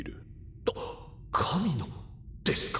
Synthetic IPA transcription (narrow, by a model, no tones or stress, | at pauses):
ɾɯ̰ | t̪o | kʰamʲino | d̪̥esɨ̥k